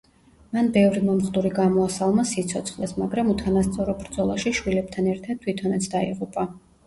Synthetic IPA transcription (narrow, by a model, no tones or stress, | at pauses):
manbɛvɾimɔmχd̪uɾiɡamɔasalˠmasit̪sʰɔt̪sʰχlˠɛsmaɡɾamut̪ʰanast̪sʼɔɾɔbɾd̪zɔlˠaʃiʃwilɛp̚t̪ʰanɛɾt̪ʰad̪̥̚t̪ʰwit̪ʰɔnɛt̪sʰd̪aḭʁupʼa